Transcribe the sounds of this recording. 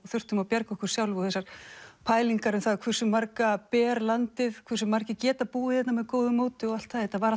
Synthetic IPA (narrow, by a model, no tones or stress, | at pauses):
ɔθʏr̥t̪ʏmawpjɛɾkaɔhkʏɾ̥sjawlvɔθɛsːaɾ̥pʰaːjliŋkaɾʏmθaðkʰvɪr̥sʏmːaɾkapɛːɾlant̪ɪðkʰvɪɾ̥sʏmːaɾcɪcɛːt̪apuːɪθɛt̪namɛðkowðʏmoːwt̪ʏɔɣal̥t̪θaðɛt̪avaːɾa